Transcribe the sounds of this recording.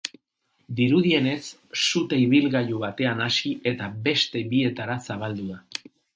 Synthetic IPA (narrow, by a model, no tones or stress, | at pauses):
d̪iɾuðie̞ne̞sː | ut̪eiβilɣajuβat̪e̞anasiʔe̞t̪abe̞st̪e̞βie̞t̪aɾasaβ̞ald̪uða